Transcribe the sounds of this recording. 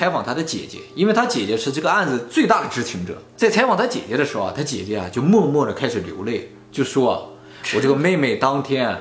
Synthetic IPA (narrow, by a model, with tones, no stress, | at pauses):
t͡sʰa˧˥ɪfɑ˨˩ŋt̪ʰa˥d̪ə˧t͡ɕjɛ̰˨˩t͡ɕjɛ̰˧˥i˥nwe˥˩ɪt̪ʰa˥t͡ɕjɛ˨˩t͡ɕɛ˧˥ʂɻ̩˥˧ʈ͡ʂɤ˥˩ɡə˩a˥˩nd͡zɹ̩˩t͡swe˥˧ɪt̪a˥˩d̪ə˩ʈ͡ʂɻ̩˧˥t͡ɕʰi˧˥ŋʈ͡ʂɤ̰˨˩˦t͡sa˥˩ɪt͡sʰa˧˥ɪfɑ˨˩ŋt̪ʰa˥t͡ɕjɛ̰˨˩t͡ɕjɛ˧˥ɾə˧ʂɻ̩˧˥xʊ˧a̰˨˩t̪ʰa˥t͡ɕjɛ̰˨˩t͡ɕɛ˧˥ɐ̰˨t͡ɕjo˥˧ʊmwɔ˥˧mwɔ˥˩də˩kʰa˥ɪʂɻ̩˨˩ljo˧˥ʊle˥˩ɪ | t͡ɕjo˥˧ʊʂʂwɔ˥a̰˩ | wɔ˨˩ʈ͡ʂɤ˥˩ɡə˩me˥˧ɪme˥˩ɪt̪ɑ˥ŋt̪ʰjɛ˥n˨